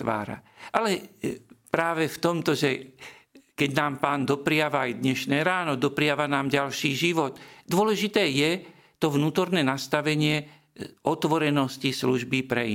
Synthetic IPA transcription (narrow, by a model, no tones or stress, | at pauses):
ʋa̰ːɾa̰ʔalɛ | pɾaːʋɛft̪ɔmt̪ɔʒɛ | kɛɟnaːmpaːnd̪ɔpɾɪaʋaːjd̪ɲɛʃnɛːɾaːnɔd̪ɔpɾɪaʋanaːmɟalʃiːʒiʋɔd̪d̪ʊɔlɛʒit̪ɛːjɛ | t̪ɔʋnuːt̪ɔɾnɛːnast̪aʋɛɲɪɛ | ɔt̪ʋɔɾɛnɔscisluʒbipɾɛ